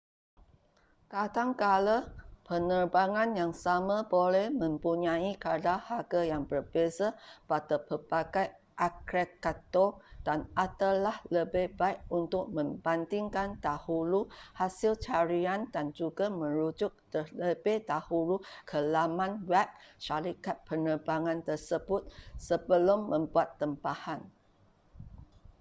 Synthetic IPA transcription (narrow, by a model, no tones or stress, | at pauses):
kadaŋkaləpənərbaŋãnjaŋsamãbolɛhmə̃mpuɲãikadahaɡajaŋbərbezapat̪əpəbaɡaj | ʔakɾekat̪od̥anat̪əlahləbɪhbaik̚unt̪ʊʔ̚mə̃mband̪iŋkandahuluhasilt͡ʃaɾiandand͡ʒuɡamə̃ɾud͡ʒʊk̚t̪ələbɪhdahulukʰəlamãnwɛp̚ʃaɾikat̪̚pənərbaŋãnt̪ərsəbʊt̪̚səbəlʊmːə̃mbuat̪ːəmpahan